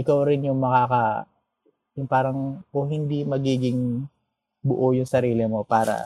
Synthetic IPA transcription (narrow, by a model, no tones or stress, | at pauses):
ʔɪkawɾɪnjʊŋmɐkaːkɐ | jʊŋpaːɾɐŋkohɪnd̪imɐɡiːɡɪŋ | bʊʔojʊŋsɐɾiːlɪmo̞paːɾɐ̰